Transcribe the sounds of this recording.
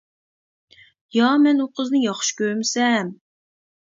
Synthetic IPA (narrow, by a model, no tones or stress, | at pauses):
jɑmɛnuqʰəznɨjɑχʃkʲøɾmɪsɛm